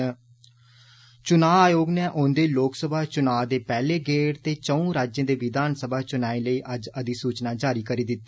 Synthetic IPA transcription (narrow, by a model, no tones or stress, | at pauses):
t͡ʃʊnaːaːjoːɡneːʔõːnd̪eːloːksəbʱaːt͡ʃʊnaːd̪eːpɛːleːɡeːɽt̪eːt͡ʃəũːɾaːd͡ʒjẽːd̪eːʋɪd̪aːnsəbaːt͡ʃʊnaːĩləiːʔəd͡ʒəd̪iːsuːt͡ʃnaːd͡ʒaːɾiːkəɾiːd̪ɪt̪ːeː